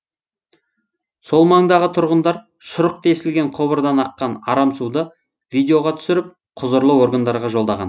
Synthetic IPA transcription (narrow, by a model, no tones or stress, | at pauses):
so̞lˠmɑɴd̪ɑʁət̪ʰʊɾʁənd̪ɑɾ | ʃʊɾəq̚t̪ʰesɪlɡʲe̞ɴqʰobəɾd̪ɑnɑqːɑnɑ̰ɾɑmsud̪ə | vʲijd̪ʲeo̞ʁɑt̪ʰʏ̥sɪɾɪp̚ | qʰʊzəɾlˠəwo̞ɾɡənd̪ɑɾʁɑʒo̞lˠd̪ɑʁɑ̰n